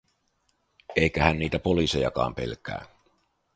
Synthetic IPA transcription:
e̞jkæhænːiːt̪æpo̞lise̞jɑ̰kɑ̰ːmpe̞̰lkæ̰ː

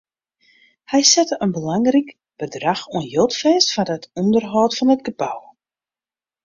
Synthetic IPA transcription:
hɛjsɛtəʔənbəlaŋrik | b̥ədraxuənjølˠtfɛːstfadətʰɔndərɦɔːtfɔnət̚ɡ̥əbaw

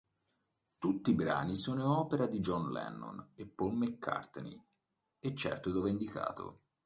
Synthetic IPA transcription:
t̪ut̪ːibɾa̰ːnisoːnoɔːpeɾad̪id͡ʒɔnlɛ̰nːo̰nepːolmekʰːa̰rt̪nḭ | et͡ʃːɛ̰rt̪od̪oveind̪ika̰ːt̪o̰

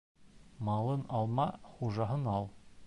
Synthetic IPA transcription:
mɑlˠɤnɑlˠmɑχuʒɑɦɤnɑlˠ

